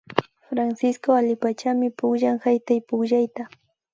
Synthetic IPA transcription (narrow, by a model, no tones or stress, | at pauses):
fɾansɪskoalɪpat͡ʃamɪpʊχʒaŋhajt̪ajpʊχʒajt̪a